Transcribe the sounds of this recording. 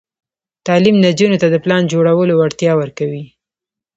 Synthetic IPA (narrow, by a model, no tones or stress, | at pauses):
t̪ɑlimnad͡ʒunot̪ad̪əplɑnd͡ʒoɽawəloaɽt̪jɑwəɾkawi